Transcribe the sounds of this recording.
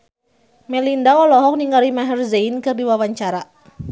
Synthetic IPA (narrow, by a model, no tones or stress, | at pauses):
mɛlindaɔlɔɦɔk̚niŋaɾimaɦɛrzeinkɨrdiwawaɲt͡ʃaɾa